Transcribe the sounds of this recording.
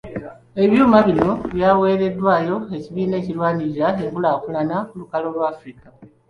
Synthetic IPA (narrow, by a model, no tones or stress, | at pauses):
e̞βjuːmaβino̞βjaːwe̞ːɾe̞dːwaːjo̞e̞ciβiːne̞ːcilwaːniiɾaekulaːkulanakulukalo̞lwaːfɾika